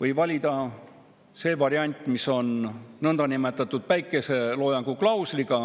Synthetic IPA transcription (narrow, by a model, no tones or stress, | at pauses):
vɤjvɑlʲid̪̥ɑ | se̞ːvɑɾiɑnʲt̪ʲˑmiso̞nnɤnd̪̥ɑnime̞t̪ːˑɑt̪ːˑud̪̥væjkːˑe̞se̞lo̞ːjɑŋɡ̥uklɑwsliɡ̥ɑ